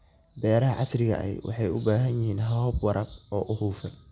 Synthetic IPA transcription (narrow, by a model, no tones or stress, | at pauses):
bɛːɾɐɦɐʕɑsrɪɣɐ̰ʔɛ̰jwʔɑ̰ħɑjʊbaːɦɐnjɪɦiːnɦɐɔːbwɐɾɐbɔːʔʊhuːfɐn